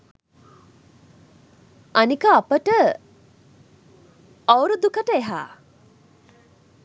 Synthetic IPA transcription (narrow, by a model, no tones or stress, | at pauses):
anikəapəʈə | awɾud̪ukəʈəeɦa̰ː